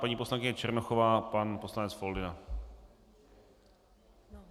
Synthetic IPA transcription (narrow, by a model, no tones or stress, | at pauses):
paɲiːpo̞slaŋkɪɲɛt͡ʃɛɾnoxovaːpanposlanɛt͡sfoldɪna